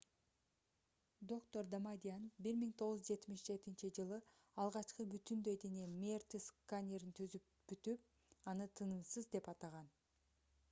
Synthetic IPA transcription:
d̪o̞kt̪o̞ɾd̪amad̪ʲianbiɾmiŋt̪ʰo̞ʁuzd͡ʒe̞t̪miʃd͡ʒe̞t̪int͡ʃid͡ʒɯlˠɯ | ɑlˠʁɑt͡ʃqɯbyt̪ynd̪ø̞jd̪enemʲert̪iskanʲeɾint̪ʰyzyp | b̥yt̪yp̚ | ɑnɯt̪ʰɯnɯmsɯzd̪e̞pɑt̪ɑʁɑn

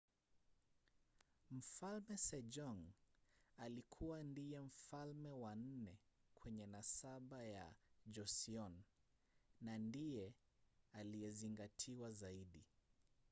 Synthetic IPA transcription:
m̩falmɛsɛʄɔŋ | alikʰuwandijɛm̩falmɛwan̩nɛ | kʰwɛɲɛnasaɓaja̰ʄɔsiɔn | nandijɛ | alijɛziŋɡatʰiwazaiɗi

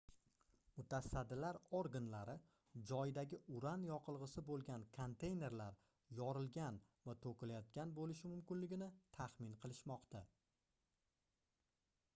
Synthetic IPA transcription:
mʊt̪ʰasad̪ːɪlaɾoɾɡanlaɾɪ | d͡ʒɒjɪd̪aɡʲɪʊɾanjɒqʰɨlˠʁɨsɪbolˠɡʲankʰont̪ʰe̞jne̞ɾlaɾ | jɒɾɪlɡʲanvat̪ʰokʲɪlajɒt̪̚kʲanbolɪʃɪmʊmkʲɪnlɪɡʲɪnɪt̪ʰaχmɪnqʰɨlˠɪʃmɒqt̪ʰa

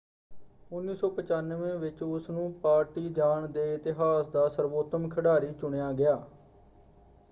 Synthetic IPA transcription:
ʊnːiːsɔːpət͡ʃaːnʋẽːʋɪt͡ʃʊsnũːpaːɾʈiːd͡ʒaːɳd̪eːɪt̪ɪɦaːsd̪aːsəɾʋoːt̪əmkʰəɖaːɾiːt͡ʃʊɳejaːɡɪjaː

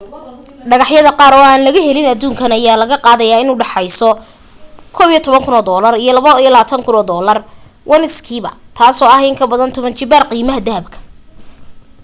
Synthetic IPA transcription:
ɖɑɣɑħjɐðɐqɑːɾɔːaːnlɐɣɐɦɛlɪnɐd̪uːŋkʰɐnɐjaːlɐɣɐqɑːðɐjaːɪnuːɖɑħɑjsɔ | kʰɔːβijɔt̪ʰɔβɐŋkʰʊnɔːd̪ɔːlɐrijɞlɐβɐijɔlaːt̪ʰɐŋkʰʊnɔːd̪ɔːlɐr | wʔɐnɪskʰiːβɐ̰t̪ʰaːsɔːɐɦɪŋkʰɐbɐðɐnt̪ʰɔβɐnt͡ʃɪbarqiːmɐɦɐd̪ɐɦɐb̚kʰɐ̥

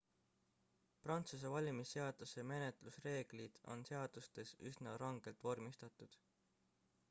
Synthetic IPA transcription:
prɑnt̪sus̬e̞vɑlʲimisːe̞ɑd̪̥useme̞net̪lusre̞ːɡ̥lid̪̥o̞̰nse̞ɑd̪̥ust̪e̞sysnɑɾɑŋɡ̥e̞lt̪ːˑvo̞rmist̪ɑt̪ːˑud̪̥

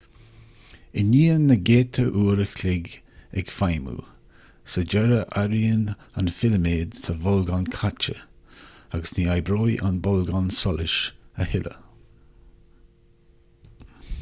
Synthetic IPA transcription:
ɪniːənəɡeːt̪ʰəʔuːɾəkʰlɪɡ | ɛɡfajmṵː | səd͡ʒɛɾəʔaɾiən | anfɪləmeːd̪sʰəvɔlɡɔnkʰat͡ʃə̰ | aɡəsniːajbɾoːjʔanbɔlɡɔnsɔlɪʃəhɪlʔə̰

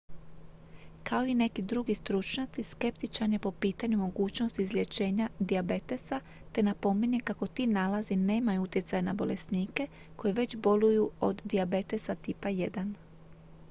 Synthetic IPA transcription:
kao̞ine̞kid̪ɾuɡist̪ɾut͡ʃɲat̪siske̞p̚t̪it͡ʃaɾniepo̞piːt̪aɲumo̞ɡuːt͡ʃnost̪izlʲe̞t͡ɕe̞ːɲad̪iabe̞t̪e̞sa | t̪e̞napo̞meɲekako̞t̪iːnalazine̞ːmajuut̪je̞t̪sajanabo̞le̞sniːke̞ | ko̞jeʋe̞t͡ɕbo̞lujuo̞d̪ːiabe̞t̪e̞sat̪iːpaje̞d̪an

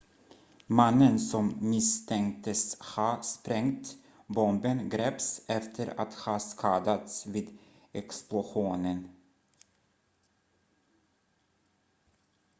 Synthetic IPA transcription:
manːənsɔmmɪst̪ʰɛŋkt̪əshɑːspɾɛŋt̪ | bɔmbənɡɾɛːpsɛft̪ʰəɾa̰t̪hɑːskʰɑːd̪at̪sviːd̪ | ɛksplʊɧuːnən

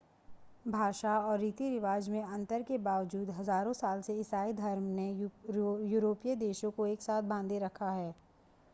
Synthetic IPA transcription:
bʱaːʃaɔːɾːiːt̪iɾɪʋaːd͡ʒmẽɐ̃nt̪əɾkebaːʋd͡ʒuːd̪ɦɐzaːɾõsaːlseɪsaːid̪ʱɐɾmne | juːɾoːpijəd̪eːʃõkoeːksaːt̪̚ʰbãːnd̪eɾɐkʰaɦɛː

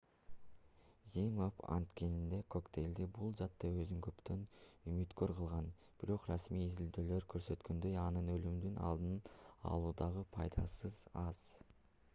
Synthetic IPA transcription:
zʲimofɑ̰nt̪ke̞nind̪e̞kʰo̞kt̪ʰe̞jld̪ibulˠd͡ʒɑt̪ːɑø̞zyŋkø̞pt̪ø̞nymyt̪kø̞ɾqʰɯlˠʁɑn | b̥iɾo̞qrɑsmijːzild̪øːløɾkʰø̞ɾsø̞t̪kø̞nd̪ø̞jɑnɯnø̞lymd̪ynɑ̰lˠd̪ɯnɑ̰lˠuːd̪ɑʁɯpʰɑjd̪ɑsɯzɑz̥

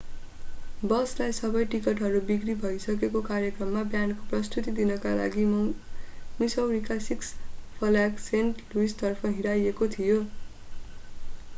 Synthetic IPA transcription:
bʌslajsʌbʌjʈikʌʈɦʌɾubikribʱʌjsʌkekokarjekrʌmːabjankoprʌst̪ut̪id̪inʌkala̰ɡi | misʌwɾikasikspʰʌlaksenʈluist̪ʌrpʰʌɦiɽajekot̪ʰijo

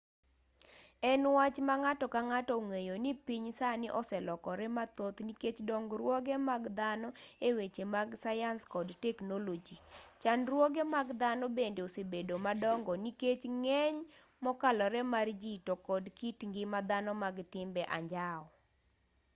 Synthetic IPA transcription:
ɛnwat͡ʃmaŋatɔkaŋatɔŋejonɪpiɲsanɪʔɔsɛlɔkɔɾɛmat̪ot̪niket͡ʃdɔŋɡɾwɔɡɛmaɡd̪anɔewet͡ʃemaɡsajanskɔdtɛknolod͡ʒit͡ʃanɾwɔɡɛmaɡd̪anɔbendeosebedomadɔŋɡɔniket͡ʃŋɛɲ | mɔkalɔɾɛmard͡ʒitokɔdkitŋɡɪmad̪anɔmaɡtɪmbɛʔa̰ɲd͡ʒaɔ

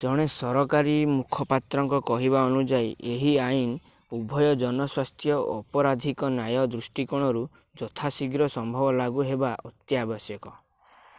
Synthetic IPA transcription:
d͡ʒɔɽ̃esɔɾɔkaɾimukʰɔpat̪ɾɔŋkɔkɔɦiβaɔnud͡ʒajʔeɦiain | ubʱɔjɔd͡ʒɔnɔswast̪ʰjɔʔɔpɔɾad̪ʱikɔnajɔd̪ɾusʈikɔɽ̃ɔɾu | d͡ʒɔt̪ʰasiɡɾɔsɔmbʱɔbɔlaɡuɦebaʔɔt̪jabɔsjɔkɔ

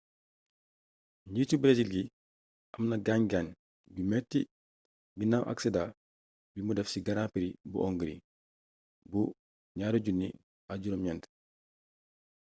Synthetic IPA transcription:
ɲiːtubɾesilɡi | ʔɐmnɐɡaɲɡaɲ | bimɛtːi | binawʔa̰ksɛda | bimudɛfsiɡɐɾapiɾibṵʔɔŋɡəɾḭ | bu | ɲaːɾuɟunːḭ | aɟuɾomɲɛnt

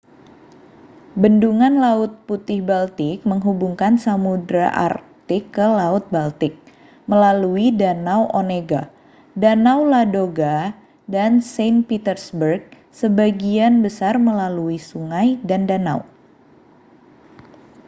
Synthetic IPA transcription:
bənduŋanlaʊt̪̚put̪ɪhbalt̪ɪk̚məŋɦubuŋkansamudɾaʔa̰r | t̪ɪkːəlaʊt̪̚balt̪ɪk̚ | məlaluidanawʔoneɡa | danawladoɡa | dansanpit̪ərsbərɡ̚ | səbaɡianbəsarməlaluisuŋajdandana̰w

